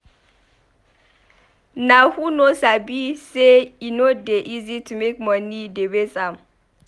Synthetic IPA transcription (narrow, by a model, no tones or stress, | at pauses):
nahunosabiseinodeʔizitumekmɔnidebesʼam